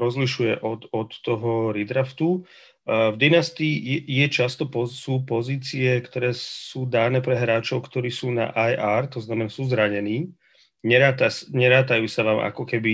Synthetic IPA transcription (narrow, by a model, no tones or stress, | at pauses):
ɾɔzliʃujɛʔɔt̪ɔt̪ːɔɦɔɾid̪ɾaft̪u | vd̪inast̪ijɛt͡ʃast̪ɔpɔsuːpɔziːt͡siɛkt̪ɔɾɛːsuːd̪aːnɛːpɾɛɦɾaːt͡ʃɔʊkt̪ɔɾiːsuːna̰ʔajʔaɾt̪ɔznamɛnasuːzɾaɲɛniː | ɲɛɾaːt̪asɲɛɾaːt̪ajuːsaʋaːmʔa̰kɔkɛbi